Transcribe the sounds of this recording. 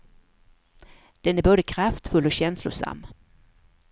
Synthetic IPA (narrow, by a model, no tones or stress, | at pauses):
d̪̥ɛnæɾboːd̪əkʰɾaft̪fɵlːɔɕɛnslʊ̰ʂa̰mː